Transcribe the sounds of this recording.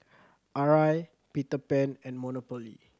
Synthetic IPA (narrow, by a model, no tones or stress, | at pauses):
ʔaɹaj | pitəpɛ̃nɛ̃nmɔnopɔlḭ